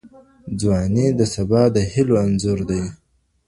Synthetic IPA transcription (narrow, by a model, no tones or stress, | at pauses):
d͡zwɑned̪əsabɑd̪əhɪloanzuɾd̪aj